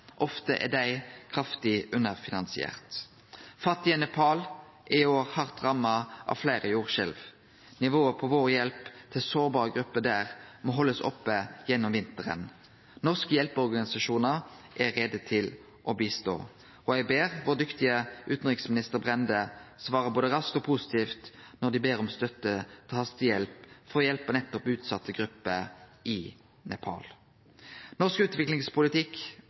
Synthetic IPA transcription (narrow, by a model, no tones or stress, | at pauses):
ʔɔft̪əʔɛ̰d̪æɪkʰʁɑft̪ɪʔʉnəʁfɪnɑnsɪɛ̰ːʁt̪ | fɑt̪ːɪənɛpʰɑːl | ʔɪɪoːʁhɑʁt̪ʁɑmːɑʔɑ̰ʋflæɪʁəjuːʁʃɛlʋ | nɪʋoːəpʰɔʋoːʁjɛlpt̪ʰɪlsoːʁbɑːʁəɡɾʉpːəd̪æːʁmɔːɦɔlːəsɔ̰pːəjɛnːɔmʋɪnt̪əʁə̰n | nɔʁskəjɛlpəɔʁɡɑnɪsɑʃuːnəʁʔæʁɛd̪ət̪ʰɪl | ʔɔbiːst̪o̰ː | ɔjæɡbeːʁʋoːʁd̪ʏkt̪ɪəʔʉːt̪n̩ʁɪksmɪnɪst̪əʁbʁɛnd̪əsʋɑːʁəboːd̪əʁɑskt̪ɔpʰusɪ̥t̪ʰiːft̪nɔʁd̪ɪbeːɾɔmst̪œt̪ːət̪ʰhɑst̪ɪjɛlpfʁɔjɛlpənɛt̪ːɔpʉːt̪sɑt̪ʰːəɡɾʉpːəʔɪ | nɛ̰pʰɑ̰ːl | nɔʁskʉːt̪ʋɪklɪŋspʰʊlɪt̪ʰɪk